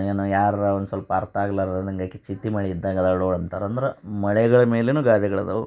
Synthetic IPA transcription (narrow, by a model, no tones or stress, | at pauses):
eːnujaːɾond̪usʋɐlɐpɐːɾt̪ɐaːɡɐlaːɾd̪ɐnd̪ɐiŋɡakːit͡ʃit̪ːimɐɭiid̪ːaːɡɐd̪aɽoːɽɐnt̪aːɾɐnd̪ɐɾemɐɭɛɡɐɭɐmeːleːnuːɡaːd̪ɐɡɐɭɐd̪ɐʋ